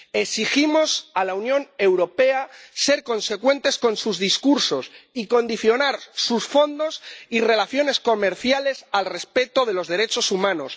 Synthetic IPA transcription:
esiximo̞salaunjõ̞ne̞wɾo̞pe̞ase̞ɾko̞nse̞kwe̞nt̪e̞sko̞nsuzðiskuɾso̞siko̞nd̪iθjo̞naɾsusfo̞nd̪o̞sire̞laθjo̞ne̞sko̞me̞ɾθjale̞salre̞spe̞t̪oðe̞lo̞zðe̞ɾe̞t͡ʃo̞sumãno̞s

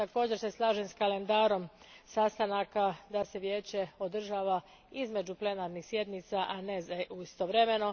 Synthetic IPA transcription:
t̪ako̞ːd͡ʑe̞ɾse̞slˠaːʒemskale̞nd̪aːɾo̞m | saːst̪anakad̪ase̞ʋje̞ːt͡ɕe̞o̞d̪r̩ʒaːʋa | izme̞d͡ʑuple̞naːɾnixsje̞d̪nit̪saʔanezuist̪o̞ʋɾe̞me̞no̞

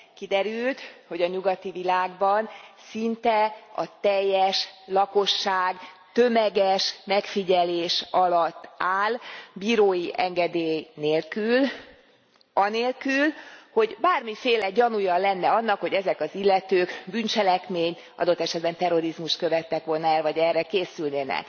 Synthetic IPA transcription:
kid̪ɛɾylt̪ho̞ɟɒɲuɡɒt̪ivilaːɡbɒnsint̪ɛɒt̪ɛjːɛʃlɒko̞ʃːaːɡ | t̪ø̞mɛɡɛʃmɛkfiɟɛleːʃɒlɒt̪ːaːlbiːɾoːjiʔɛŋɡɛd̪eːjneːlkyl | ɒneːlkylho̞ɟbaːrmifeːlɛɟɒnujɒlɛnːɛɒnːɒkhoɟɛzɛkɒzilːɛt̪øːɡbynt͡ʃɛlɛkmeːɲt̪ʔɒ̰d̪o̞t̪ːɛʃɛd̪bɛnt̪ɛro̞ɾizmuʃt̪̚kø̞vɛt̪ːɛkʋo̞lnɛrvɒɟɛrːɛkeːsylneːnɛ̰k

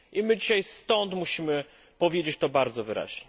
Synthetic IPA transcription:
ʔimɘd͡ʑiɕajst̪ɔnt̪muɕimɘ | pɔvʲjed͡ʑet͡ɕt̪ɔbaɾd̪zɔvɘɾa̰ʑɲɛ

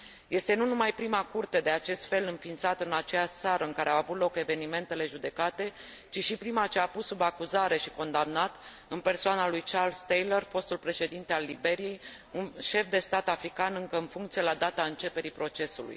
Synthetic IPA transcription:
je̞st̪e̞nunumajpɾimakurt̪e̞d̪e̞at͡ʃe̞st̪fe̞lɨnfint̪sat̪ɨnat͡ʃejaʃt̪saɾəɨŋkaɾeawavut̪lo̞ke̞ve̞nime̞nt̪e̞le̞ʒud̪e̞kat̪e̞ | t͡ʃiʃipɾimat͡ʃeapusːubakuzaɾe̞ʃiko̞nd̪amnat̪ | ɨnpe̞rsoanalujt͡ʃarlst̪ejlerfo̞st̪ulpɾe̞ʃe̞d̪int̪e̞alːibe̞ɾije̞j | unʃe̞fd̪e̞st̪at̪afɾikanɨŋkəɨnfuŋkt̪sije̞lad̪at̪aɨnt͡ʃe̞pe̞ɾipɾo̞t͡ʃe̞sṵlṵj

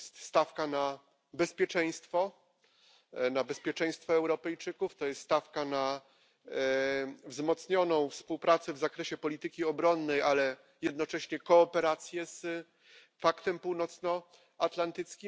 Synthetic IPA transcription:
st̪st̪afkana | bɛspʲjɛt͡ʂɛj̃st̪fɔ | nabɛspʲjɛt͡ʂɛ̃j̃st̪fɔɛwɾɔpɛjt͡ʂɘkuft̪ɔjɛst̪st̪afkana | vzmɔt̪sɲɔnɔ̃w̃fspuwpɾat̪sɛvzakɾɛɕɛpɔlʲit̪ɘkʲiɔbɾɔnːɛjʔalɛ | jɛd̪̚nɔt͡ʂɛɕɲɛkɔːpɛɾat̪sʲjɛs | fakt̪ɛmpuwnɔt̪snɔ | at̪lant̪ɘt̪skʲim

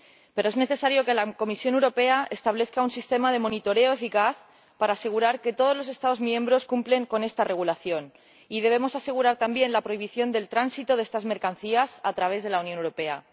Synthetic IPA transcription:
pe̞ɾoe̞zne̞θe̞saɾjo̞ke̞lako̞misjo̞ne̞wɾo̞pe̞aest̪aβ̞le̞θkaunsist̪e̞mað̞e̞mõ̞nit̪o̞ɾe̞oefikaθ | paɾaːse̞ɣ̞uɾaɾke̞t̪o̞ð̞o̞zlo̞s̬e̞st̪aðo̞zmjẽ̞mbɾo̞skumple̞ŋko̞ne̞st̪are̞ɣulaθjo̞n | ið̞e̞β̞e̞mo̞sase̞ɣ̞uɾaɾt̪ambje̞nlapɾo̞iβ̞iθjo̞nd̪e̞lt̪ɾansit̪o̞ð̞est̪azme̞ɾkan̟θiasat̪ɾaβ̞e̞zðe̞launjonewɾo̞pe̞a̰

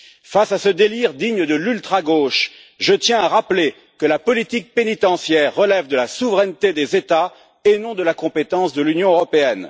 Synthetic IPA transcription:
fasasəd̪eliʁd̪iɲəd̪əlylt̪χaɡoʃ | ʒət̪jɛ̃aʁaple | kəlapɔlit̪ik̚penit̪ɑ̃sjɛʁːəlɛvd̪əlasuvʁɛnt̪ed̪ezet̪a | enɔ̃d̪əlakɔ̃pet̪ɑ̃sd̪əlynjɔ̃øʁɔpeɛn

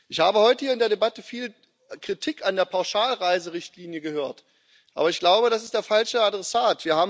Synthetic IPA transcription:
ʔɪçhaːbəhɔʏtəhiːɐɪndeːɐɾebatəfiːl | kʁ̥itʰikandeːɐpʰaʊʃaːlʁaɪzəʁɪçtʰliːnjəɡəhøːɐt | ʔa̰ːbɐɪçɡ̥laʊbəɾasɪstd̥eːɐfalʃəadʁɛsaːtv̥iːɐhaːbm

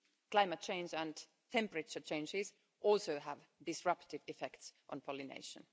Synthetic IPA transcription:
kl̥aɪmət̚t͡ʃʰẽɪ̃nd͡ʒæ̃n | t̪ʰɛ̃mpəɹɪt͡ʃət͡ʃʰẽɪ̃nd͡ʒɪz | ʔɔlˠsoʊɦævdɪsɹʌptɪvɪfɛktsʔə̰̃npʰɔlinḛɪʃə̰̃n

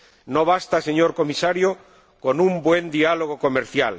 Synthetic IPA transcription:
noβ̞ast̪aseɲoɾkomisaɾjo | konũmbwend̪ialoɣ̞okomeɾθjal

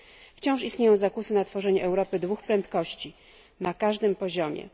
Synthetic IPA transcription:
ft͡ɕɔ̃w̃ʂist̪ɲejɔ̃w̃zakusɘnat̪fɔʐɛɲɛʔɛwɾɔpɘd̪vuxpɾɛnt̪kɔɕt͡ɕi | nakaʐd̪ɘmpɔʑɔmʲjɛ̰

